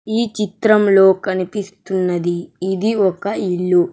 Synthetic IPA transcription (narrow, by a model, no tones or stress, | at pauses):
iːt͡ʃit̪ɾɐmlo̞ːkɐnipist̪unːɐd̪iːd̪iɔkɐiɭːu